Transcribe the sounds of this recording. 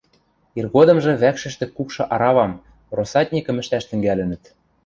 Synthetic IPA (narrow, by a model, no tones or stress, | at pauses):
irɣod̪ɤ̆mʒɤ̆βækʃɘ̆ʃt̪ɘ̆kːukʃɤ̆ʔɑɾɑβɑm | rosɑt̪ʲnʲikɤ̆mɘ̆ʃt̪æʃt̪ɘ̆ŋɡælɘ̆nɘ̆t̪